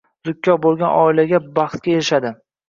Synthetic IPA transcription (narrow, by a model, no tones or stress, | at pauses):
zʊkʲʰːɒbolˠɡʲanʔɒɪlaɡʲabɑχt̪̚kʲaeɾɪʃad̪ɪ